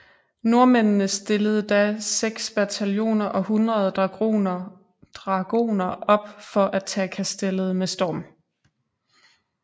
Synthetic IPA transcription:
no̝ɐmennəsd̥e̝ləð̞̩ˠəd̥æseɡ̥sb̥æt͡sʰæljo̝̰ːnɐʔɒ̽hunʁɐð̞ˠ | d̥ʁɑɡ̥o̝̰ːnɐʔɒ̽b̥fɒ̽ʔæt͡sʰɛ̰ːkʰæsd̥elð̞̩ˠmesd̥ɒːm

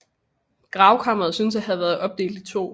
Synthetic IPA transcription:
ɡ̥ʁɑ̈ʊkʰɑ̈m̰ɐʁɐð̩ˠsynsæhɦæðˠʋæɐð̞ˠɒ̽b̥̚d̥e̝̰ːld̥it͡sʰo̝̰ː

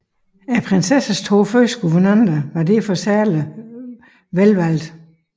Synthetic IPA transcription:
æpʰʁensesæst͡sʰoføsɡ̥uʋɐnɑnd̥ɐʋɑ̈d̥e̝fɒ̽sæɐlə | ʋelʋæl̰d̥

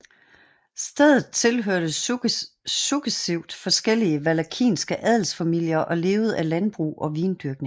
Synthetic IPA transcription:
sd̥eð̰ˠð̩ˠt͡sʰe̝lɦøɐ̰ɾ̥ə | suɡ̥esiʊ̰d̥fɒ̽sɡ̥el̰iəʋælækʰḭːnsɡ̥əʔæðˠl̩sfæmil̰jɐʔɒ̽le̝ːʊð̞̩ˠælænb̥ʁṵːʔɒ̽ʋiːnd̥yɐɡ̥̚ne̝ŋ

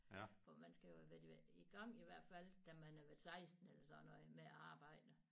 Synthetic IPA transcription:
fɒmænsɡ̥æjo̝ʋe̥iɡ̥ɑ̈ŋ̰iʋæɐ̰d̥fæl̰d̥æmænæɐʋesɑ̈ɪsd̥n̩elɐsɒ̽nɒmeæɑ̈ːb̥ɑ̈ɪ̰d̥ə

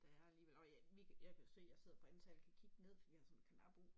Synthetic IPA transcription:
d̥ɑ̈æɐæliːʋelɒjæʋikʰjaɪkʰæjosø̰ːjaɪse̝ð̞̰ˠb̥ɒensʰɛlkʰækʰiɡ̥əne̝ð̰ˠfɒd̥ḭ̥hɑsɔ̽nkʰænɑb̥o̝

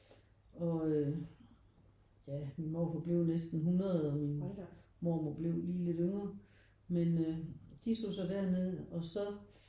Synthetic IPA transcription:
ɒ̽ø | jæminmɔ̰ːfɒb̥le̝ʊ̰nesd̥n̩ɦunɐðˠɒminmɔ̰ːmob̥le̝ʊ̰liːle̝ɾ̥øŋɐ | menød̥isd̥o̝sɒ̽d̥æɐ̰ne̝ð̞ˠɒ̽sɒ̽

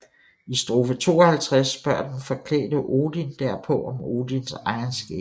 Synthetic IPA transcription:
isd̥ʁoːfət͡sʰo̝̰ːɒhælt͡sʰʁasb̥ɶɐ̰dn̩fɒ̽kʰlɛ̰ːd̥əʔo̝ːd̥ind̥æɐ̰pʰɒ̽ɒ̽mo̝ːd̥insɑ̈ɪɐnsɡ̥ɛ̰̥ː

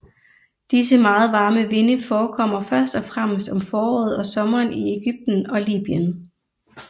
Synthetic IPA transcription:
d̥isəmɑ̈ːð̞̩ˠʋɑ̈ːməʋe̝nəfɒːkʰɒ̽m̰ɐfɶɐsd̥ɒ̽fʁam̰sd̥ɒ̽mfɒːɒ̰ːð̩ˠɒ̽sɒ̽mɐːnie̝ɡ̥yb̥̚d̥n̩ɒ̽lḭːb̥iən

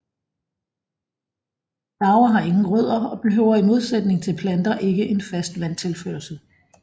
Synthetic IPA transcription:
d̥ɑ̈ʊɐɦɑ̈e̝ŋn̩ʁœð̞̰ˠɐɒ̽b̥e̝ɦøʊ̰ɐimo̝ð̞ˠsed̥ne̝ŋt͡sʰe̝lpʰlænd̥ɐʔe̝ɡ̥əʔe̝nfæsd̥ʋæn̰t͡sʰe̝lføːɐlsə

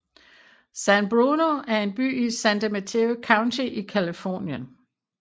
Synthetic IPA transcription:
sænb̥ʁunoæɐe̝nb̥y̰ːisænd̥emæt͡sʰeokʰɑ̈ʊnt͡sʰiʔikʰælifɔ̰ːnjən

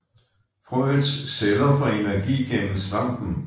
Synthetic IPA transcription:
fʁɔdsseðˠɐfʁɑ̈e̝næɐɡ̥ḭːɡ̥eml̩slɑ̈ŋ̰d̥n̩

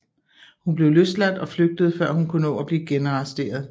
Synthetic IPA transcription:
hunb̥le̝ʊløslæd̥ɒ̽fløɡ̥̚d̥əð̞̩ˠfɶɐ̰hunkʰunɔ̰̽ːæb̥liːɡ̥enɑsd̥e̝̰ːɐð̞ˠ

